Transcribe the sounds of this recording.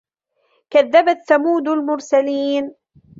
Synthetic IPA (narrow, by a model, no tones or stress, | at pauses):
kaðːabaθamuːd̪almʊɾsaliːn